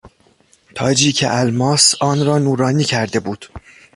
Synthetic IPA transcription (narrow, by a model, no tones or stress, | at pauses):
t̪ʰɒːd͡ʒiːcʰḛʔælmɒːsɒːnɾɒːnuːɾɒːniːcʰæɾd̪e̞buːd̪̥